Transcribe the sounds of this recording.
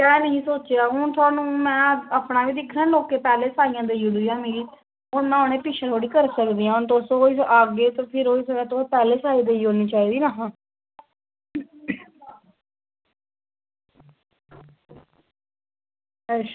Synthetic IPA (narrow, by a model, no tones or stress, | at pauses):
ɛːnəɦĩːsoːt͡ʃeaːɦʊɳt̪ʰʊaːnũːmɛ̃ːaːpnaːʋiːd̪ɪkʰːɾɛ̃ːloːkːeːpɛːleːsaːijãːd̪eːiõd̪iːãːmeːɾiː | ʊnmãːɦoneːpɪːʃʰəɾʰoːɽiːkəɾsəkd̪iːãːʊnt̪oːsooːiːsʔaːɡeːt̪oːpʰɪɾɦoːiːsəkɛːt̪opɛːleːsaːiːd̪eːiɦõːniːt͡ʃaːiːd̪iːnaːɦãː